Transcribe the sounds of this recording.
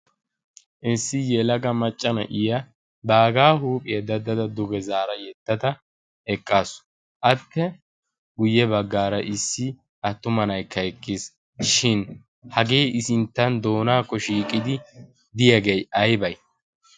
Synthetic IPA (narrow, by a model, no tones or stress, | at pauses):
ʔɪsːɪjɛlɐɡɐmɐt͡ʃʼːɐnɐ̰ʔɪjɐ | baːɡaːhuːpʼɪjɐd̪ɐd̪ɐd̪ɐd̪ʊɡɛzaːɾɐjɛt̪ːɐd̪ɐ | ɛkʼːaːsʊ̥ | ʔɐt̪ːɛ | ɡʊjːɛbɐɡːaːɾɐʔɪsːɪ | ʔɐt̪ːʊmɐnɐjkːɐɛkːɪs | ʃɪn | hɐɡe̞ːʔɪsɪnt̪ːɐnd̪o̞ːnaːkːɔʃiːkʼːɪd̪ɪ | d̪ɪjɐɡejɐjbɐj